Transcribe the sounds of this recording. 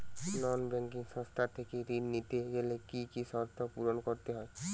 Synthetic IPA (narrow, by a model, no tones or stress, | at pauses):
nɔnbɾɛŋkiŋsɔ̃st̪ʰat̪ʰekiɾinːit̪ezelekikisɔɾt̪ʰɔpuɾɔnkoɾt̪eɦɔe